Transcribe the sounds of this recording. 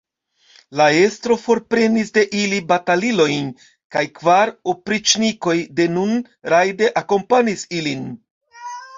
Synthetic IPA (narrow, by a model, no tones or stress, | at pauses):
lae̞stɾo̞fo̞ɾpɾe̞nisde̞ʔilibatalilo̞jn | kajkvaɾopɾit͡ʃniko̞jde̞nun | ɾajde̞ʔako̞mpanisilin